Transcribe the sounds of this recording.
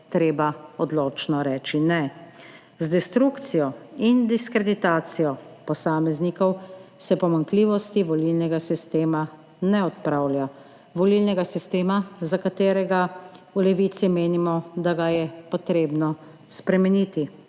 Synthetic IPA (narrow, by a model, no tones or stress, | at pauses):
t̪ɾeːbaɔd̪loːt͡ʃnɔɾɛːt͡ʃinɛ | zd̪ɛst̪ɾukt̪sijɔind̪iskɾɛd̪it̪aːt̪sijɔpɔsaːmɛznikɔwsɛpɔmaŋkliːʋɔst̪iʋɔlilnɛɡasist̪eːma | nɛɔt̪pɾawlʲja | ʋɔlilnɛɡasist̪eːmazakat̪eːɾɛɡaulɛʋiːt̪simeːnimɔd̪aɡajɛpɔt̪ɾeːbnɔ | spɾɛmɛnit̪i